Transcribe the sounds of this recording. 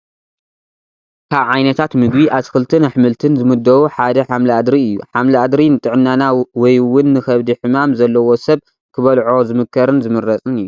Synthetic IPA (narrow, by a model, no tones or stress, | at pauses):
kʰaβʕajnɐt̪ʰat̪mɨɡbiʔasxɨlt̪ʰɨnħɨmɨlt̪ʰɨnzɨmɨd̪ɐwuħad̪ɐħamliad̪ɾiɨjːuħamliad̪ɾinɨt̪ʼɨʕɨnːanawɔjwʊnːɨxɐβd̪iħɨmamzɐlːɐwo̞sɐβ | kʰɨβɐlʕo̞zɨmɨkʰːɐɾɨnzɨmɨɾːɐt͡sʼɨnɨjːu